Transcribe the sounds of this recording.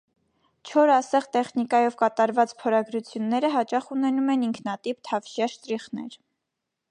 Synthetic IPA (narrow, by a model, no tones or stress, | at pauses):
t͡ʃʰɔɾɑsɛʁt̪ɛχnikɑjɔvkɑt̪ɑɾvɑt͡spʰɔɾɑɡɾut͡sʰjunːɛɾəɦɑt͡ʃɑχunɛnumɛniŋkʰnɑt̪ipt̪ʰɑvʃjɑʃt̪ɾiχnɛ̰ɾ